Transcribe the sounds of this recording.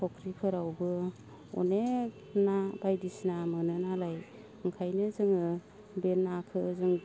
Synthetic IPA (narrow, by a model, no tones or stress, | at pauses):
pʰɔkʰɾikʰɯɾawbɯ | ɔ̰ne | nabajdisnamɯnɯnalaj | ɯŋkʰajnɯzɯŋɯ | benːakʰɯzɯŋ